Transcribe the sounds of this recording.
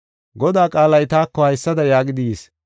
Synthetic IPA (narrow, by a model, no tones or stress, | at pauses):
ɡɔd̪aːkʼaːlɐjt̪aːkːɔhɐjsːɐd̪ɐjaːɡɪd̪ɪeːs